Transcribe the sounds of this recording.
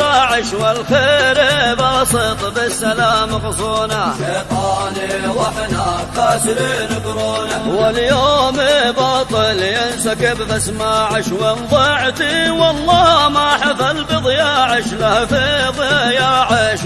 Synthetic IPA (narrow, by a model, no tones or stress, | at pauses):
aːʕɪʃwɪlxeːɾbɑsˤɨt̪ˤbɪsːalaːmqʊsˤoːnaʃeːt̪ˤɑːniwaħnakasɾiːnkʊɾoːnawɪljoːmbɑːt̪ˤɨljɪnsakɪbbasmaːʕɪʃwɪnðˤɑʕt̪iwɑlˤːɑːmaħafalbɪðˤjaːʕɪʃlahafiðˤjaːʕɪʃ